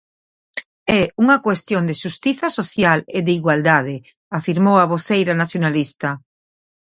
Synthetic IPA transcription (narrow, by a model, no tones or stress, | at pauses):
ɛuŋakwest̪jond̪eʃust̪iθasoθjaleðeiɣwald̪að̞e | afiɾmowaβ̞oθejɾanaθjonalist̪a